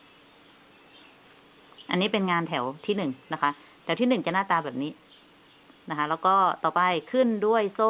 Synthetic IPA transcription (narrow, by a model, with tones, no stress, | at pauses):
ʔa̰˧˨nːiː˦˥˩pe˧nŋaː˧nt̪ʰɛ˩˦wt̪ʰiː˥˩˨nɯ˨˩ŋna˦˥kʰa˦˥ʔ | t̪ʰɛ˨˧˦wt̪ʰiː˥˩nɯ˨˩ŋt͡ɕa˨naː˧˥˩t̪aː˧˩bɛː˨˩p̚niː˦˥ | na˦˥kʰa˦˥˩lɛː˧˥˩wkɔː˧˥˩t̪ɔː˨˩pa˧jkʰɯ˥˩˨ndu˥˩əjso˧˥